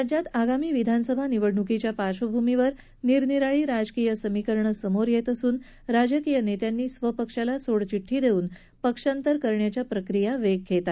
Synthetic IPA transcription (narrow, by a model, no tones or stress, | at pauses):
ad͡ʑat̪aɡamiːʋid̪ʱansəbʱaniʋəɽɳukit͡ɕjapaɕʋəbʱumiʋəɾ | niɾniɾaɭiːɾad͡ʑkijəsəmikəɾɳəsəmoɾjet̪əsuːn | ɾad͡ʑəkijənet̪janːiːsʋəpəkʂalasoɽt͡ɕiʈʰːiːd̪ʱeuːn | pəkʂant̪əɾkəɾɳjat͡ɕjapɾəkɾijaʋeɡ̚kʰːet̪a